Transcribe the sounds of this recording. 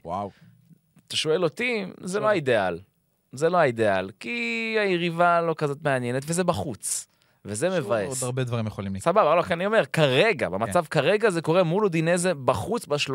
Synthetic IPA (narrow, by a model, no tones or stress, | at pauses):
wa̰w | t̪aʃoe̞lo̞t̪izeloaid̪e̞al | zelo̞aid̪e̞alkiajeʁivalo̞kazo̞t̪meanje̞net̪ve̞ze̞baχut͡s | vezeme̞vaedʁbed̪vaʁimjeχolimlsababalokianio̞me̞ʁkaʁe̞ɡa̰bemat͡savkaʁe̞ɡaze̞ko̞ʁe̞muld̪inezebaχut͡sbaʃl